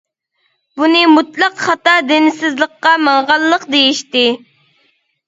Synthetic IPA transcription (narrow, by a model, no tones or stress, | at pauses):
bunɨmut̪lˠɑqχɑt̪ɑd̪ɪnɪsɪzlˠəqːɑmɑŋʁɑlˠːəqd̪ejiʃt̪ɪ